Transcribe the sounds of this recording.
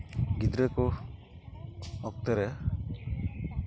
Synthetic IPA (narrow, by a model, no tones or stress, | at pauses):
ɡid̪ɾɛku | ɔk̚t̪ɛɾɛ